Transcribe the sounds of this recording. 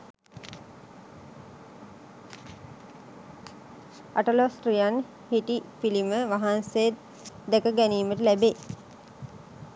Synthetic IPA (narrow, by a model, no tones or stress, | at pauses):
aʈəlosʈɾijan | hitipiliməʋaɦansej̪ | d̪ɛkəɡæniːməʈəlæbe